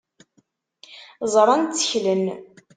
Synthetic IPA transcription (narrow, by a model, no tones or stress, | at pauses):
zˤɾˤɑnt͡sːə̥çlən